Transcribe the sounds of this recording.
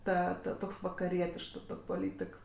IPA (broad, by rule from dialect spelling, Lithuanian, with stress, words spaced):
ˈtɐ tɐ ˈtoːks ʋɐkɐˈrʲiɛtʲɪʃks ˈtoːkʲ poːˈlʲiːtʲɪk